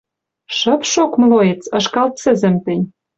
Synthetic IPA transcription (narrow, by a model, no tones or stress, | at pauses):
ʃɤ̆pʃokmloet͡sɤ̆ʃkɑlt̪̚sɘ̆zɘ̆mt̪ɘ̆nʲ